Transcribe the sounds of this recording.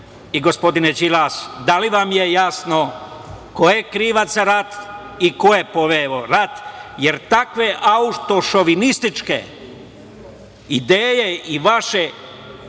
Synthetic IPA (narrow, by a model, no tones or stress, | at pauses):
iɡospo̞d̪inet͡ʃilasd̪aliʋamjejasno̞kojekɾiʋat̪saɾat̪ | ikojepo̞ʋeoɾat̪jeɾt̪akʋe̞ʔaut̪o̞ʃo̞ʋinist̪it͡ʃkḛ | id̪eːje̞iʋaʃe̞